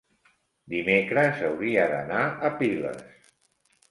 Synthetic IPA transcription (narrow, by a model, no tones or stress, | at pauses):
d̪imekɾəzəwɾiəðə̰naʔəpilə̰s